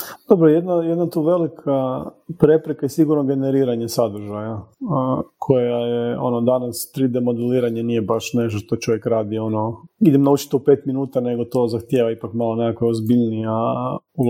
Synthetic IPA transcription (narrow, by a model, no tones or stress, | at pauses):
d̪̥obɾojed̪najed̪nat̪uʋe̞likʰa | pɾe̞pɾekaisiɡuɾnoɡe̞neɾiːɾaɲesad̪ɾ̩ʒaja | kʰo̞jajeo̞̰nod̪anast̪ɾid̪emo̞d̪uliːɾaɲanijebaʃne̞ʃt̪oʃt̪ot͡ʃo̞ʋjekɾaːd̪io̞no̞id̪emnaut͡ʃi̥t̪oupe̞ːt̪minuːt̪ane̞ɡo̞t̪o̞zaxt̪je̞ʋaipakmalˠonekakoozbiʎnijau